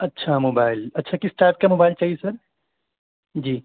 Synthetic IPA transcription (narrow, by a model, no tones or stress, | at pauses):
ɐtːʃʰamoːbaːɪlɐtːʃʰakɪsʈaːɪp̚kamoːbaːɪlt͡ʃaːɦiesɐɾ | d͡ʒiː